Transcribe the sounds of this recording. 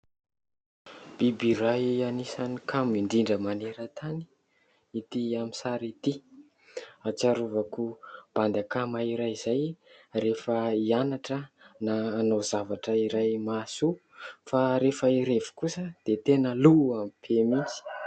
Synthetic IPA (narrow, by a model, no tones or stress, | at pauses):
b̥ibiɾajanisanikʰamiɳɖ͡ʐiɳɖ͡ʐəmaneɾət̪ʰani̥ | it̪iamisaɾit̪i | at͡ʃaɾuvakub̥and̪akamaiɾajzajrefəianaʈ͡ʂənaːnowzavaʈ͡ʂəiɾajmasu | faɾefəiɾevi̥kusəd̪̥et̪enəluamipʰemizi̥